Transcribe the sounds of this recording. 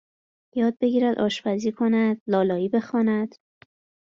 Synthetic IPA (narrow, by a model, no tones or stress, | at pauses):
jɒːd̪̚be̞ɡiːɾæd̪ʔɒ̰ːʃpæziːkʰo̞næd̪̥lɒːlɒːiːbe̞xɒːnæd̪̥